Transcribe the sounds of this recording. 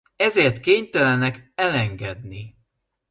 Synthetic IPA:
ɛzeːrt̪keːɲt̪ɛlɛnɛkɛlɛŋɡɛd̪ni

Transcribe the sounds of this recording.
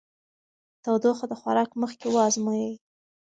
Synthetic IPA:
t̪awd̪oxod̪əxwaɾɑkməxkewɑzmojəj

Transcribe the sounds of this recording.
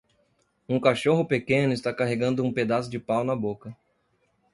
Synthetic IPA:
ũkaʃoɦʊpekẽnʊɪst̪akaɦeɡɐ̃nd̪ʊũped̪asʊd͡ʒɪpawnɐbokɐ

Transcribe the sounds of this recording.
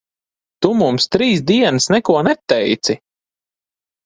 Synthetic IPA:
t̪umumst̪ɾiːsd̪iɛnsnɛkuɔnɛt̪ːɛjt̪si

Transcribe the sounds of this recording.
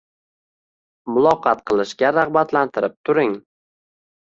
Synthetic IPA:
mʊlˠɒqʰɑt̪̚qʰɨlˠɪʃkʲaɾaʁbat̪lant̪ʰɪɾɪp̚t̪ʰʊɾɪŋ

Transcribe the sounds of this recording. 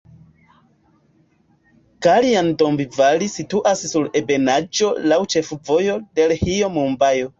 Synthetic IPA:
kaliandombivalisituʔassuɾe̞be̞nad͡ʒo̞lawt͡ʃefuvo̞jo̞de̞lhiomumbajo

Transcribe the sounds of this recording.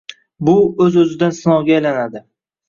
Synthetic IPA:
bʊɵzɵzɪd̪ansɪnɒwɡʲaajlanad̪ɪ

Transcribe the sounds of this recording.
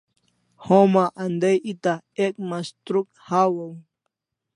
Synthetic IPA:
hõmaʔand̪ejʔit̪a | ek̚mast̪ɾuk̚ | hawəw

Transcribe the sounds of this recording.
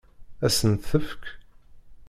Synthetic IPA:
æsənθəfk

